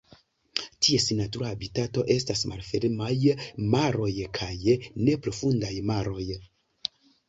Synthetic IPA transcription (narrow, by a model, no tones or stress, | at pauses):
tʰie̞sinatuɾaːbitato̞ʔe̞stasma̰lfeɾmajmaɾo̞jkʰajne̞pɾo̞fundajmaɾo̞j